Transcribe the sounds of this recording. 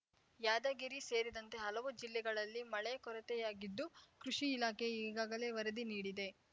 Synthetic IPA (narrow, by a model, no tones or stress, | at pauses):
jaːd̪ɐɡiɾise̞ːɾid̪ɐnt̪e̞ɦɐlɐʋud͡ʒilːɛɡɐɭɐlːimɐɭekɔɾɐt̪ɛjaːɡid̪ːukɾuʂiːlaːkʰe̞iːɡaːɡɐle̞ːʋɐɾɐd̪iniːɽid̪e̞